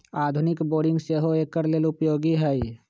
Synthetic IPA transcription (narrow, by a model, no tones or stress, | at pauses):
aːd̪ʱʊnɪkboːɖɪ̃ŋɡseɦoeːkːəɾleːlʊpjoːɡiɦɛi